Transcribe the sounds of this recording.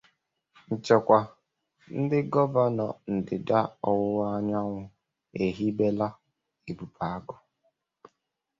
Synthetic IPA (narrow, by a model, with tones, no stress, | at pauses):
n̩˨t͡ʃɛ˨kʷa˨ | n̩˦dɪ˦ɡɔ˦va˦nɔ˨n̩˨dɪ˨da˦ɔ˨wʊ˦wa˦ɲa˦ŋʷʊ˨ | e˨ɦi˦be˦la˦ | e˨bu˨pʰa˨a˦ɡʊ˦